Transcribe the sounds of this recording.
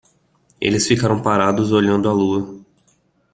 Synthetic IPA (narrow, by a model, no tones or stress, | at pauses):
ḛlɪsfikaɾɐ̃w̃paɾad̪ʊzoʎɐ̃nd̪ʊaluɐ